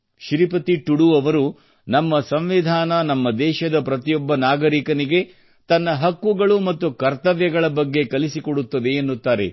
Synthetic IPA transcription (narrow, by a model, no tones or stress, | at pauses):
ʃɾipɐt̪iʈuɽuɐʋɐɾu | nɐmːɐsɐmʋid̪ʱaːnɐnɐmːɐd̪ɛːʃɐd̪ɐpɾɐt̪ijɔbːɐnaːɡɐɾikɐniɡe̞ | t̪ɐnːɐɦɐkːuɡɐɭumɐt̪ːukɐɾt̪ɐʋjɐɡɐɭɐbɐɡːe̞kɐlisikɔɽut̪ːɐd̪e̞ːnːut̪ːaːɾe̞̰